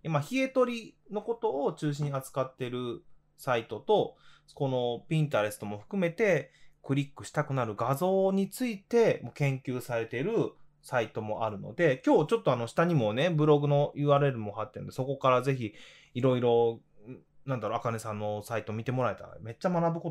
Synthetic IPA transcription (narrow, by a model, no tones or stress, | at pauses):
jamaçie̞t̪o̞ɾʲino̞ko̞t̪o̞ːt͡ɕɨːɕ̬ĩɲat͡sɨ̥kat̪ːe̞ɾɯ̟ | sait̪o̞t̪o̞ko̞no̞pʲĩnt̪̬aɾe̞sɨ̥t̪o̞mo̞ɸɯ̟̥kɯ̟me̞t̪e̞kɯ̟ɾʲikːɯ̟ɕi̥t̪akɯ̟naɾɯ̟ɡazo̞ːɲ̟it͡sɨit̪e̞mokẽ̞ŋkʲɨːsaɾe̞t̪e̞ɾɯ̟ | sait̪o̞mo̞̰ʔaɾɯ̟no̞̰d̪e̞kʲo̞ːt͡ɕo̞t̪ːo̞ano̞ɕi̥t̪aɲ̟imo̞ne̞bɯ̟ɾo̞ɡɯ̟no̞jɯaɾeɾɯ̟mo̞hat̪ːend̪e̞so̞ko̞kaɾaze̞çi | iɾo̞iɾo̞ | nãnd̪aɾoakane̞sãnːo̞sait̪o̞mʲit̪e̞mo̞ɾae̞t̪a̰me̞t͡ɕːamanabɯ̟ko